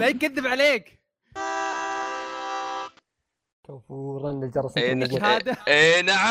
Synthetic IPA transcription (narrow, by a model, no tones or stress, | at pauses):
majkaðːɪbʕaleːk | t̪awfuːɾˤɑnlɪld͡ʒɑɾˤɑsɡhaːd̪aenaʕa